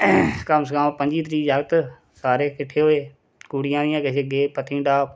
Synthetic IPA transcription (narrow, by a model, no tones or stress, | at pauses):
kəmskãːpə̃ɲd͡ʒiːt̪̬ɾiːd͡ʒaːɡt̪ | saːɾeːkɪʈʰːeːɦoːeː | kuːɽɪjãːd̪ɪjãːkəseɡeːpət̪ʰĩːɖaː